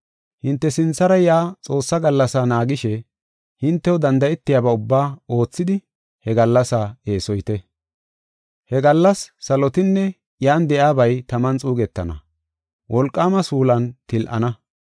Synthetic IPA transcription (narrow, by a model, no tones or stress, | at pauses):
hɪnt̪ːɛsɪnt͡sːɐɾɐjaːt͡sʼo̞ːsːɐɡɐlːɐsaːnaːɡɪʃɛ | hɪnt̪ːɛwɔd̪ɐnd̪ɐɛt̪ːɪjaːbɐʊbːaːo̞ːt͡sːɪd̪ɪ | hɛɡɐlːɐsae̞ːsɔjt̪ɛ | hɛɡɐlːɐsːɐlɔt̪ɪnːɛ | jaːnd̪ɛʔjaːbɐjt̪ɐmɐnt͡sʼuːɡɛt̪ːɐ̰nɐ̰ | wʔɔlkʼːaːmɐsuːlɐnt̪ɪlʔɐ̰nɐ